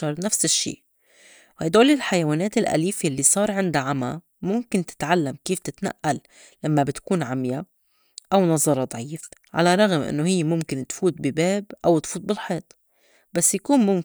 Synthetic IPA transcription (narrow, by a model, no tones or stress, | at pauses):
ɑɾˤnafsɪʃːḭː | hajd̪oːlɪlħajawaːneːt̪ɪlʔa̰liːfiʔlːisˤɑːɾˤʕɪnd̪aʕama | mʊmkɪnt̪ɪ̥t̪ʕalːamkiːft̪ɪt̪na̰ʔːalː | amːabɪt̪kuːnʕamja | ʔawnɑzˤɑɾˤɑd̪ˤʕiːf | ʕa̰laɾˤɑɣmʔɪ̰nːohɪjːmʊmkɪnt̪fuːt̪̚bɪbeːbʔawt̪fuːt̪̚bɪlħeːt̪ˤ | basːjakuːnmʊm